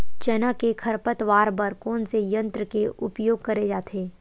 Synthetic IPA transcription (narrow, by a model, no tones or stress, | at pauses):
t͡ʃɐnakekʰɐɾpət̪ʋaːɾbɐɾkɔːnsejə̃nt̪ɾəkeʔʊpjoːɡ̚kɐɾed͡ʒaːt̪ʰeː